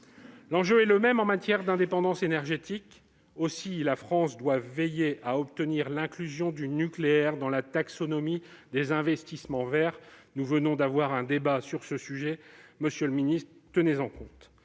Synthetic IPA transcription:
lɑ̃ʒøɛləmɛmɑ̃mat̪jɛʁd̪ɛ̃d̪epɑ̃d̪ɑ̃senɛʁʒet̪ik | osilafχɑ̃sd̪wavːejeʔaɔp̚t̪əniʁlɛ̃klyzjɔ̃d̪ynykleɛʁd̪ɑ̃lat̪aksɔnɔmi | d̪ezɛ̃vɛst̪ismɑ̃vɛʁnuvənɔ̃d̪avwaʁɛ̃d̪ebasyʁsəsyʒɛməsjəlminist̪χt̪ənezɑ̃kɔ̃t̪

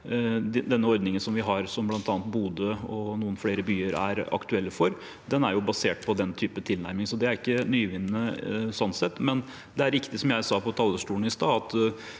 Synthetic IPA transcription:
d̪ɛnːəɔɾd̪nɪŋənsɔmʋɪɦɑɾsɔmblɑnt̪ʰɑːnt̪̚buːd̪əɔnuːənfɽeːɾəbyːəɾæ̰ɾɑ̰kt̪ʉɛlːəfɔɾ | d̪ɛnæ̰ɾjʊbɑseːʈpʰɔd̪ɛnt̪ʰyːpət̪ʰɪlnæ̰ɾmɪŋsɔd̪ɛæɾɪkːənyːʋɪnːəsɔnːsɛt̪ːmɛn | d̪ɛæɾɪkt̪ɪsɔmjæɪsɑːpʰɔt̪ʰɑlːəʂʈuːn̩ɪst̪ɑːɑt̪

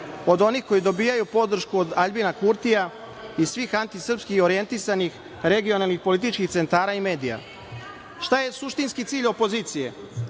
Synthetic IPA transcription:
o̞d̪o̞nixko̞jid̪o̞biːjajupo̞d̪r̩ʃkuod̪aʎbinakuɾt̪ija | isʋiːxant̪isr̩pskixo̞ɾije̞nt̪isanix | ɾe̞ɡio̞nalˠnixpolit̪it͡ʃkixt̪se̞nt̪aːɾaime̞ːd̪ija̰ | ʃt̪aje̞suʃt̪inskit̪siːʎo̞po̞ziːt̪sije̞

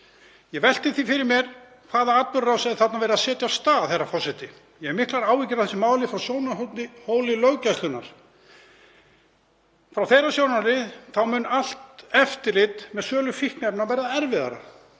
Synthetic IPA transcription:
jɛvɛl̥t̪ɪθifɪɾɪɾmjɛɾ̥ | kʰvaːðaat̪vʏɾːasɛðθat̪navɛːɾɪaðsɛːt̪jast̪aːθejrːafɔsɛt̪ɪ | jɛɛɾmɪhklaɾaːwvicɪɾaθɛsːɪmaːwlɪfɾawsjoːwnat̪ɪhoːwlɪlœɣcajst̪ʏnaɾ̥ | fɾawθejrːasjownaɾɪθawmʏnːal̥t̪ɛft̪ɪɾlɪt̪mɛðsœːlʏfihknɛp̚navɛːɾaðɛɾvɪða̰ɾa̰

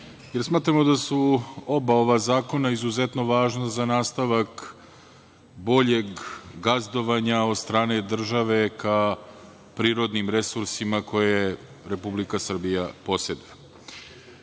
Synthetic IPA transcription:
jeɾsmaːt̪ɾamod̪asuo̞bao̞ʋazaːko̞naizuzet̪no̞ʋaːʒnazanaːst̪aʋak | bo̞ʎe̞ɡɡazd̪o̞ʋaɲao̞d̪st̪ɾaːne̞d̪r̩ʒaʋe̞ka | pɾiːɾo̞d̪nimɾe̞suɾsimako̞je | ɾepublikasr̩bijapo̞sed̪a

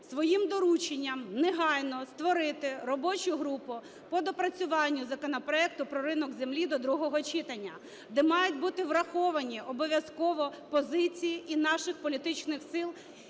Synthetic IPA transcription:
sʋɔjimd̪ɔɾut͡ʃenʲːɐmneɦɑjnɔst̪ʋɔɾɪt̪ɪɾɔbɔt͡ʃʊɦɾupʊ | pɔd̪ɔpɾɐt͡sʲʊʋɑnʲːʊzɐkɔnɐpɾɔɛk̚t̪ʊpɾɔɾɪnɔɡzʲemlʲid̪ɔd̪ɾuɦɔɦɔt͡ʃit̪ɐnʲːɐ | d̪ɛmɑjʊtʲbut̪ɪʋrɐxɔʋɐnʲiʔɔbɔʋʲjɐzkɔʋɔpɔzɪt͡sʲijiʔinɑʃɪxpɔlʲit̪ɪt͡ʃnɪxsɪlˠ

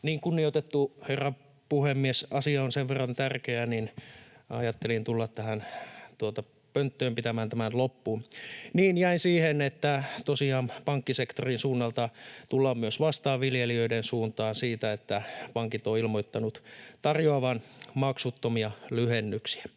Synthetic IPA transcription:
niːŋkunːiot̪et̪ːuherːɑ | puhemːiesɑsiɑonseʋʋerːɑnt̪ærkeæninɑjɑt̪ːelint̪ulːɑt̪t̪æhænt̪uot̪ɑ | pønt̪ːøːmpit̪æmæːnt̪æmænlopːuːnniːnjæinsiːhenet̪ːæt̪osiɑːmpɑŋkːisekt̪orinsuːnːɑlt̪ɑt̪ulːɑmmyøsʋɑst̪ɑːʋʋiljeliøidensuːnt̪ɑːnsiːt̪æet̪ːæpɑŋkit̪oilmoit̪ːɑnut̪t̪ɑrjoɑʋɑnmɑksut̪ːomiɑlyhenːyksi̥æ̥

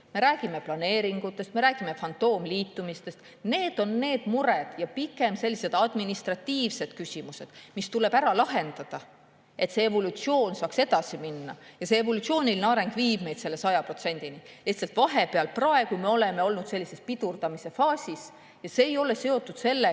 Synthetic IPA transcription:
me̞ɾæːɡ̥ime̞plɑne̞ːɾiŋɡ̥ut̪ˑːe̞st̪me̞ɾæːɡ̥ime̞fɑnt̪o̞ːmliːt̪ːumist̪e̞st̪ | ne̞ːd̪̥o̞nːe̞ːd̪̥muɾed̪̥jɑpikːˑe̞mse̞lːise̞d̪ɑd̪̥minist̪rɑt̪ːiːvse̞d̪̥̚kysimuse̞d̪̥mist̪ule̞b̥æɾɑlɑɦe̞nd̪ɑd̪̥ɑ | e̞t̪see̞vo̞lut̪sio̞ːnsɑːkse̞d̪ɑsiminːɑjɑseevo̞lut̪sio̞ːnʲilineɑɾe̞ŋɡ̥viːbne̞jd̪̥se̞lːe̞sɑjɑpro̞t̪se̞nʲd̪̥ini | liht̪selt̪vɑɦe̞pe̞ɑlprɑe̞ɡume̞o̞le̞me̞o̞lnud̪̥se̞lʲːise̞spid̪urd̪ɑmise̞fɑːsʲis | jɑse̞ːjo̞le̞se̞o̞t̪ːˑud̪se̞lːe

